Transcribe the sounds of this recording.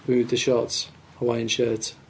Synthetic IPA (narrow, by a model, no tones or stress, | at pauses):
mʉːðəʃɒˑts | əwaɪɪ̃nʃɜːˑt